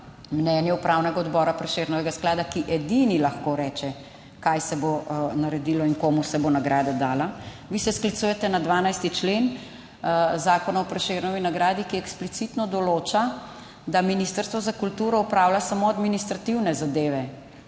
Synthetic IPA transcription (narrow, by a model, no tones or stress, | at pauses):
mnɛːnjɛupɾawnɛɡaɔd̪bɔɾapɾɛʃeɾnɔʋɛɡasklaːd̪akiʔɛd̪inilaxkoɾɛːt͡ʃɛ | kajsɛbonaɾɛd̪ilɔiŋkoːmusɛbonaɡɾaːd̪ad̪aːla | ʋisɛsklit̪sujɛt̪ɛnad̪ʋaːnajst̪it͡ʃlen | zaːkɔnaɔpɾɛʃeɾnɔʋinaɡɾaːd̪ikiɛksplit̪sit̪nɔd̪ɔloːt͡ʃa | d̪aminist̪əɾst̪ʋɔzakult̪uːɾɔupɾawlasamoad̪minist̪ɾat̪iwnɛzad̪eːʋɛ